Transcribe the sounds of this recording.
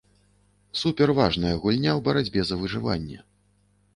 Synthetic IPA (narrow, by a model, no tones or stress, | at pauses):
supʲɛrvaʐnɐjɐɣulʲnʲawbɐɾad͡zʲbʲɛzɐvɨʐɨva̰nʲːɛ̰